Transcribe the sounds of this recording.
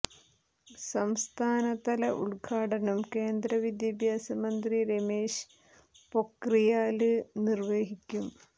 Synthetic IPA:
sɐmst̪ʰaːnɐt̪ɐlɐʔṵɭɡʰʱaːʈɐnɐmke̞ːnd̪ɾɐʋid̪jɐbʱjaːsɐmɐnd̪riɾemeːʂ | po̞krijaːlɨnirʋeːɦikʲːum

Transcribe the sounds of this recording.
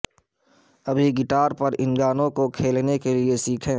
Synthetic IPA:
ɐbʱiɡɪʈaːɾpɐɾɪ̃nɡaːnõkokʰeːlnekeliesiːkʰẽː

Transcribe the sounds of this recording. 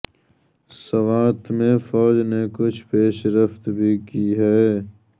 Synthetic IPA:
sɐʋaːt̪mẽfɔːd͡ʒnekʊt͡ʃʰpeːʃɾəft̪bʱikiːɦɛː

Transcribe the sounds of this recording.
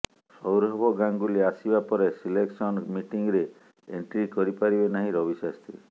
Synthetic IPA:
sɔwɾɔbʱɔɡaŋɡuliasibapɔɾesileksɔnmiʈiŋɾe | ḛɳʈɾikɔɾipaɾibenaɦĩɾɔbisast̪ʰi

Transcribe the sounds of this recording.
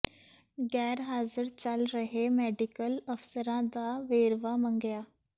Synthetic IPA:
ɡɛːɾɦaːzəɾt͡ʃəlɾəɦeːmɛːɖɪkələfʰsəɾãːd̪aːʋeːɾʋaːməŋɡɪjaː

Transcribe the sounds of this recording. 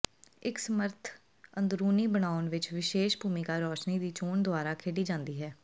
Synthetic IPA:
ɪksəməɾt̪ʰ | ənd̪ɾuːniːbənaːʊnʋɪt͡ʃʋɪʃeːʃbʱuːmikaːɾɔːʃniːd̪iːt͡ʃoːɳd̪ʊaːɾaːkʰeːɖiːd͡ʒãːnd̪iːɦɛː

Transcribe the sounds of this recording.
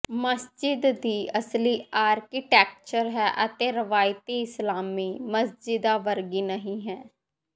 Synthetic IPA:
məsd͡ʒɪd̪ːiːʔəsliːaːɾkiʈɛːk̚t͡ʃəɾɦɛːʔət̪eːɾəʋaːjt̪iːɪslaːmiːməsd͡ʒɪd̪aːʋəɾɡiːnəɦĩːɦɛː

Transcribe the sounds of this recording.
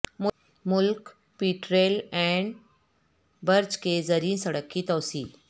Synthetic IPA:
m | mʊlk | piːʈɾeːlɛ̃ɳɖ | bəɾd͡ʒkezəɾiːnsəɽəkːiːt̪ɔːsḭːk

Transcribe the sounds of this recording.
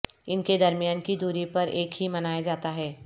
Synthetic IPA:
ɪnked̪ɐɾmijaːnkid̪uːɾipɐɾʔeːkɦimɐnaːjad͡ʒaːt̪aɦɛː

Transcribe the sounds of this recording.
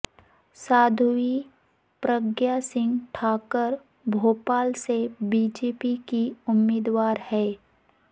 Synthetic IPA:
saːd̪ʱʊi | pɾəɡjasɪ̃ŋɡʈʰaːkəɾ | bʱoːpaːlsebiːd͡ʒeːpikiʊmːeːd̪waːɾhɛː

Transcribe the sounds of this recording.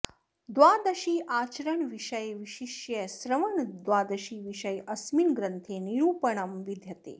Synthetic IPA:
d̪ʋaːd̪ɐʃiːʔaːt͡ʃɾəɳʋiʃəjʋiʃiʃjɐsɾɐʋɐɳd̪ʋaːd̪ɐʃiːʋiʃəjʔɐsminɡɾənt̪ʰeːniɾuːpəɳɐmʋid̪ʱjɐt̪ḛː

